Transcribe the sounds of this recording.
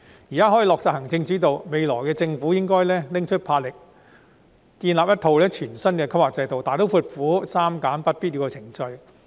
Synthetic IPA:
jiː˨˩kaː˥ɦɔ˨˥ji˨˧lɔː˨k̚saː˨˩hɐ˨˩ŋt͡sɪ˧ŋt͡siː˨˥t̪o˨wme˨˧jlɔː˨˩jkɛː˧t͡sɪ˧ŋfu˨˥jɪ˥ŋkɔː˥jlɛː˥lɪ˥ŋt͡ʃʰɵ˥t̚pʰaː˧t̚lɪ˨k̚ | t̪iː˧nlaː˨p̚jɐ˥t̪ʰo˧wlɛː˥t͡ʃʰyː˨˩nsɐ˥nkɛː˧kʰɐ˥p̚waː˨˩t͡sɐ˧jt̪o˨wt̪aː˨jt̪o˨˥wfuː˧t̚fuː˨˥saː˥mkaː˨˥npɐ˥t̚piː˥t̚liː˨˧wkɔ˧t͡sʰɪ˨˩ŋt͡ʃɵ˧ɥ

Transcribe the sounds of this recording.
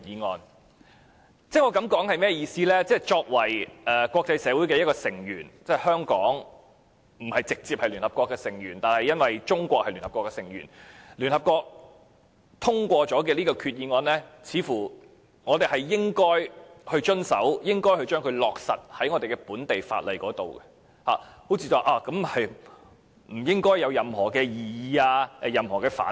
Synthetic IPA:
iː˨˧ŋɔː˧n | t͡sɛː˥˩ŋɔː˨˧kɐ˨˧˥mkɔː˨˥ŋhɐ˨jmɛː˥˧jiː˧siː˥lɛː˥t͡sɛː˥t͡ʃɔː˧k̚wɐ˨˩jɛː˨kʷwɔː˧k̚t͡sɐ˧jsɛː˨˧wu˨˥jkɛ˧jɐ˥tkɔː˧sɪ˨˩ŋjyː˨˩nt͡sɛː˥hœː˥ŋkɔː˨˥ŋ | m̩˨˩hɐ˨jt͡sɪ˨k̚t͡siː˧p̚hɐ˨jlyː˨˩nhɐ˨pkɔː˧kːɛː˧sɪ˨˩ŋjyː˨˩nt̪aː˨nhɐ˨jɐ˥nwɐ˨jt͡ʃʊ˥ŋkʷɔː˧k̚hɐ˨ly˨˩nhɐ˨p̚kɔː˧˥kːɛ˧sɪ˨˩ŋjy̰˨˩nlyː˨˩nhɐ˨p̚kʷɔː˧k̚ | t̪ʰʊ˥ŋkʷɔː˧t͡ʃɔː˨˥kɛː˧liː˥kɔː˧kʰyː˧t̚jiː˧nŋɔː˧nlɛː˥t͡sʰiː˨˧fuː˨˩ | ŋɔː˨˧t̪e˨˩hɐ˨jːɪ˥ŋkɔː˥jhɵ˧ɥt͡ʃɵ˥nsɐ̰˨˥wjɪ˥ŋkɔː˥jhɵ˧t͡ʃœː˥ŋkʰɵ˨˧ɥlɔː˨k̚sɐ̰˨t̚hɐ˨˥jŋɔː˨˧t̪e˨jkɛ˧puː˨˥nt̪e˨jfa̰ː˧t̚lɐ˨jkɔː˨˥t̪o˨wkɛ˧ | ha̰ː˨ho˨˥wt͡sʰiː˧t͡sɐ˧wʔaː˧˩kɐ˨˧˥mhɐ˨j | m̩˨˩jɪ˥ŋkɔː˥jːɐ˨˧wjɐ˨mhɔː˨˩kɛː˧jiː˨jiː˨˧aː˧˨jɐ˨˩mhɔː˨˩kɛː˧fa̰ː˨˥

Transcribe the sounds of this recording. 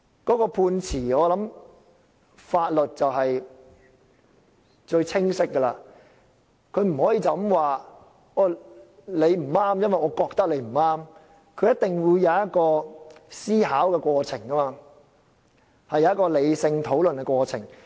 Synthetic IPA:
kɔː˨˥kɔː˧pʰuː˧nt͡sʰiː˨˩ɔː˨˧lɐ˨˥m | faː˧t̚lɵ˨t̚t͡sɐ˨wɦɐ˨j | t͡ʃɵ˧ɥt͡sʰɪ˥ŋsɪ˥kːə˧laː˧ | kʰɵ˨˧ɥm̩˨˩hɔː˨˥jiː˨˧t͡sɐ˨˥mwaː˨˩ | ɔː˨˩ | le˨˧jm̩˨˩aː˥mjɐ˥nwɐ˨jɔː˨˧kɔː˧k̚t̪ɐ˥k̚le˨˧jm̩˨˩aː˥m | kʰɵ˨˧jɐ˥t̚t̪ɪ˨˩ŋwu˨˧jjɐ˨˧wjɐ˦˥t̚kɔː˧siː˥ɦaː˨˥wkɛː˧kʷɔː˧t͡sʰɪ˨˩ŋkɐ˥maː˧ | hɐ˨jːɐ˨˦jɐ˥kɔː˧le˨˧jsɪ˧ŋt̪ʰo˨˥wlɵ˨nkɛ˧kʷwɔː˧t͡sʰɪ̰˨˩ŋ

